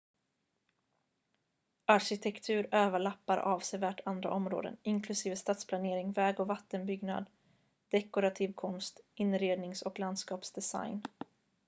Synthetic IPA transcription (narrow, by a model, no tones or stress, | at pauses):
ʔaɾɕɪt̪ʰɛkt̪ʰʉ̟ːɾøːvəɭapːaɾʔɑːvsɛvæːʈʰand̪ɾa̰ʔɔmɾo̰ːd̪ə̰nɪŋkʰlɵsiːvəst̪aːt̪spʰlaneːɾɪŋvɛːɡɔvat̪ːənbʏɡna̰d̪ | d̪̥ɛkʊɾat̪ʰiːvkʰɔnst̪ɪnːɾeːd̪nɪŋsɔkland̪skɑːpsd̪ɛsa̰jn